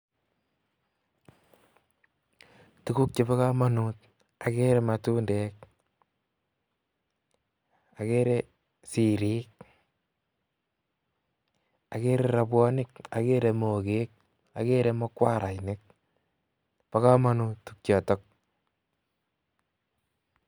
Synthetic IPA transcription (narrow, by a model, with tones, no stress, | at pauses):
tu˦ku˦k̚t͡ʃe˦pa˦ka˦ma˦nut̚ | a˨ke˦ɾe˦ma˨tu˦nde˦k̚ | a˨ke˦ɾe˦ | si˨ɾiː˦k̚ | a˨ke˦ɾe˨ɾa˨bwɔ˦nɪ˦k̚a̰˨ke˦ɾe˨mo˨ke˦k̚ | a̰˨ke˦ɾe˦mɔ˦kwa˦ɾʔa˨jnɪ˦k̚ | pa˦ka˦ma˦nu˦ttuk̚t͡ʃɔ˨tɔ˦k̚